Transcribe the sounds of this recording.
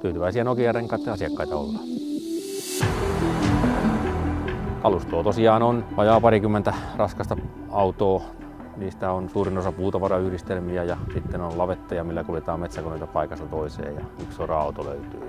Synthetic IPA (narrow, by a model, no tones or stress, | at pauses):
t̪yːt̪yʋæisiænokijæreŋkɑˑit̪ːeɑsiɑkːɑit̪ɑo̰lːɑ̰ | kɑlust̪oːt̪osiɑːnonɑjɑːpɑrikymːent̪ærɑskɑst̪ɑ | ɑut̪oː | niːst̪æonsuːrinosɑpuːt̪ɑʋɑrɑyhɾist̪elmiæjɑsit̪ːenonlɑʋet̪ːɑjɑmilːækuljet̪ɑːmmet̪sækonoit̪ɑpɑikɑst̪ɑt̪oisḛːjɑ̰yksorɑɑut̪olø̰yt̪yː